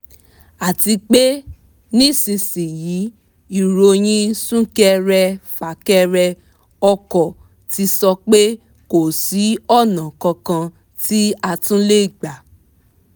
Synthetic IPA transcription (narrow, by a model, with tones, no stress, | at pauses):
a˨ti˧k͡pe˦ | nĩ˦˨sĩ˧sĩ˨ji˨˦ | i˨ɾo˧j̃ĩ˧sũ˦kɛ˦ɾɛ˧fa˨˦kɛ˧ɾɛ˧ | ɔ˧kɔ˨ | ti˧sɔ˧k͡pe˦ | ko˨si˨˦ɔ˦˨nã˨kɔ̃˧kã˧ | ti˦a˧tũ˦le˦i˦˨ɡ͡ba˨